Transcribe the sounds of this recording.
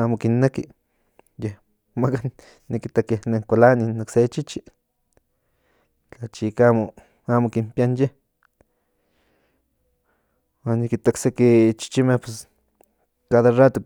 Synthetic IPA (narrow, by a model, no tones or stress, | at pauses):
amokinːeki | jeh | makanː | ikit̪akehneŋkʷalaninokset͡ʃit͡ʃi | t͡ɬat͡ʃikamo | amokimpjanjeh | wanːikit̪aksekit͡ʃi̥t͡ʃimehpwes | kaðarat̪o